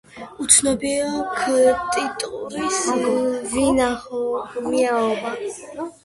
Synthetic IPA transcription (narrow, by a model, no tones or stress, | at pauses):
ut̪sʰnɔbiɔkʰt̪ʼit̪ʼuɾis | vinaχɔmiaɔba